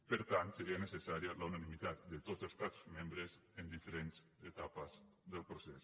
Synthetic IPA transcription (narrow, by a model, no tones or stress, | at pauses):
pəɾt̪ant̪seɾianesesaɾjalaunanimit̪at̪d̪et̪ozest̪at̪zmẽmbɾezend̪ifeɾenz | et̪apəzðəlˠpɾosɛs